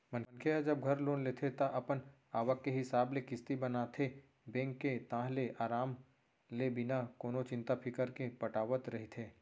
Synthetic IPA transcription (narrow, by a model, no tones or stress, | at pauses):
mə̃nnkʰead͡ʒɐb̚ɡʱɐɾloːnleːt̪ʰet̪aʔɐpən | aːʋəkːeɦɪsaːblekɪst̪ibənat̪ʰe | bẽːŋkːet̪ãːɦleʔaːɾaːm | lebɪnakoːnot͡ʃɪ̃nt̪apʰɪkəɾkepɐʈaːʋət̪ɾɐɦit̪ʰeː